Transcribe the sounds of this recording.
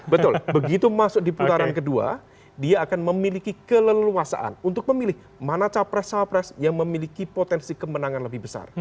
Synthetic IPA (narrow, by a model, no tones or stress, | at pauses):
bət̪ʊlbəɡit̪umasʊk̚diput̪aɾankədua̰ | diaːkanməmilikikələlluasa̰ʔa̰nunt̪ʊk̚məmilɪh | manat͡ʃapɾɛsapɾɛsjaŋməmilikipot̪ɛnsikəmənaŋanləbɪhbəsa̰r